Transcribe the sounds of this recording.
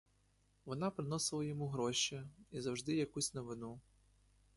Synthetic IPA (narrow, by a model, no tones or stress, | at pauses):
ʋɔnɑpɾɪnɔsɪlˠɐjɔmuɦɾɔʃɛizɐwʒd̪ɪjɐkusʲnɔʋɪnu